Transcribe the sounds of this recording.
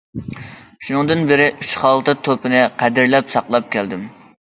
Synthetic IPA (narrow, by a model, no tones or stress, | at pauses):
ʃunɨŋd̪ɨnbɪɾɪʔyt͡ʃχɑlˠt̪ɨt̪ʰopɨnɨqʰæd̪ɪɾlɛpsɑqlˠɑp̚kʲʰɛld̪ɪm